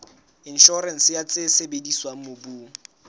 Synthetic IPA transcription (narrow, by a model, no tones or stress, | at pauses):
ɪn̩ʃɔɾɛn̩sɪjat͡sʼesebediswaŋ̩mobuːŋ̩